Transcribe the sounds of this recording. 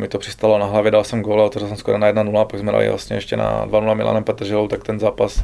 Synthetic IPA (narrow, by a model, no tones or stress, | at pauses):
mɪt̪opr̥ɪst̪alonaɦlavjɛdalsɛmɡoːlaot̪ɛvʒɪls̬ɛmskoɾanajɛdnanulapaɡzmɛda̰lḭvla̰sɲɛ̰ɛʃcɛ̰na̰dvanulamɪlʔa̰ːnɛmpɛt̪r̩ʒɛlowt̪ak̚t̪ɛnzaːpas